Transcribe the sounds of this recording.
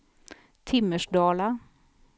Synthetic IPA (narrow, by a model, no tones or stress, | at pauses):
t̪ʰɪmːəʂɖɑːla